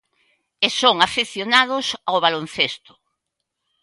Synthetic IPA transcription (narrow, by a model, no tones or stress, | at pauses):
esoŋafeθjonað̞ʊsaoβ̞alon̟θest̪ʊ̥